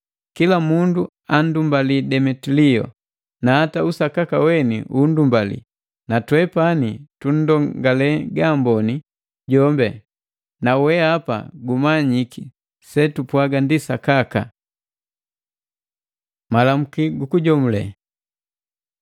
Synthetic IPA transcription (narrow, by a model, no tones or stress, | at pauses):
kilamundu | an̩dumbalidɛmɛtilijɔ̰ | naːtausakakawɛnḭʔundumbalḭ | natwɛpanitun̩dɔŋɡalɛɡambɔni | ɟɔmbɛ | nawɛapa̰ɡumaɲiki | sɛtupwaɡandisakaka̰ | malam̩kiɡukuɟɔmulɛ̰